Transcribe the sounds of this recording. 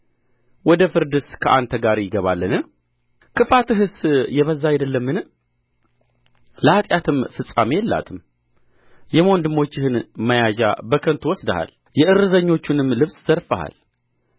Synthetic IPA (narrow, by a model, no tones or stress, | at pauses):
wɔd̪əfɨɾd̪ɨskʰəʔant̪ʰəɡaɾjɪɡəβalːənɨ | kʰɨfat̪ɨɦɨsjɛβəzːaajd̪əlːəmːɨn | ləhat̪ʼjat̪ʰɨmfɨsʼamejɛlːa̰t̪ʰɨm | jɛmond̪ɨmo̞t͡ʃːɪhɨnməjaʒa̰bəkʰənt̪ʰuwɔsd̪əha̰l | jɛʔɨɾɨzəɲːo̞t͡ʃːunɨmlɨβsz̥əɾfəha̰l